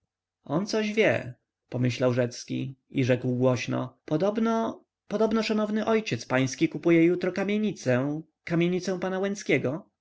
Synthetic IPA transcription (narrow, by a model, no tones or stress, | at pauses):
ɔnt̪sɔʑvʲjɛ̰ | pɔmɘɕlawʐɛt̪skʲḭiʐɛkwɡwɔɕnɔ̰pɔd̪ɔbnɔ | pɔd̪ɔbnɔʂanɔvnɘʔɔjt͡ɕɛt̪spaj̃skʲikupujɛjut̪ɾɔkamʲjeɲit̪sɛ | kamʲjeɲit̪sɛ̃w̃panawɛ̃nskʲɛɡɔ